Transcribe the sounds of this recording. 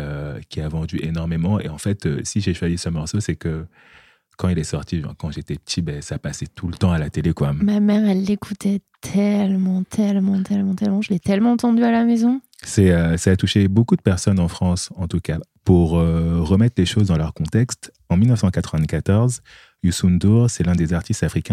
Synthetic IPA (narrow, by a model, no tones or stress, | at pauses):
økʲiavɑ̃d̪yʔenɔʁmemɑ̃ḛɑ̃fɛt̪ø̰siʒeʃwazisəmɔʁsosɛkə | kɑ̃ilɛsɔʁt̪iʒɛ̰̃kɑ̃ʒet̪ɛpə̥t̪ʰibɛsaːpaset̪ʰulət̪ɑ̃alat̪elekwamamɛʁɛlːekʰut̪ʰɛt̪ʰɛlmɑ̃t̪ʰɛlmɑ̃t̪ʰɛlmɑ̃t̪ɛlmɑ̃ʒəlɛt̪ɛlmɑ̃ɑ̃t̪ɑ̃d̪yalamezɔ̃ | sɛøsaːt̪uʃebokud̪əpɛʁsɔnɑ̃fχɑ̃sɑ̃t̪ukapuʁøʁəmɛt̪χleʃozd̪ɑ̃lœʁkɔ̃t̪ɛkst̪ | ɑ̃milnəfsɑ̃kat̪χəvɛ̃kat̪ɔʁz | ysund̪uʁsɛlɛ̃d̪ezaʁt̪ist̪afχikʲɛ̃